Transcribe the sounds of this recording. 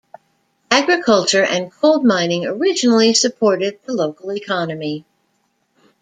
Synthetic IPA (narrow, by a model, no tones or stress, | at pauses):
æɡɹɨkʰʌlˠt͡ʃə˞ʔɨ̃nkʰoʊlˠd̚mãɪ̃nɪ̃ŋə˞ɪd͡ʒɨnl̩ˠisɨpʰɔɹɾɨd̪̚ðəloʊkl̩ˠikʰɑnɨmi